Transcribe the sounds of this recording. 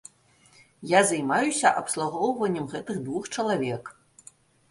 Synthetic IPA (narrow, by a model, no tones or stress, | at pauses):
jazajmajusʲɐʔɐpslˠuɣɔwvɐnʲːɛmɣɛt̪ɨɣd̪vuxt͡ʂɐlˠavʲɛk